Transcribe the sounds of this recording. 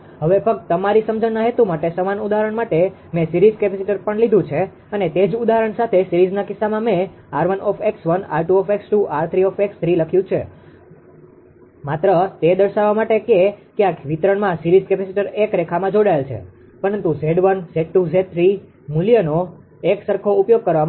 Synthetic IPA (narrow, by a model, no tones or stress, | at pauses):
ɦəʋefək̚t̪t̪əmaɾisəmd͡ʒənːaɦet̪umaʈesəmanud̪aɦɾəɳmaʈe | mɛ̃siɾizkepɛsiʈəɾpəɳlid̪ʱũt͡ʃʰe | ənet̪ed͡ʒud̪aɦəɾəɳsat̪ʰesiɾid͡ʒnakɪsːamãmẽ | aɾʋənɔfʰeksʋəna̰ɾʈuɔfeksʈuʔaɾt̪ʰɾiɔfekst̪ʰɾiləkʰjũt͡ʃʰe | mat̪ɾət̪ed̪əɾʃaʋamaʈekekjãkʋit̪ɾəɳmãsiɾizkɛpɛsiʈəɾekɾekʰamãd͡ʒoɽaelt͡ʃʰḛ | pəɾənt̪ũzeɽʋənseʈuzed̪̚t̪ʰɾi | muljəno | eksəɾkʰoupjoɡ̚kəɾʋa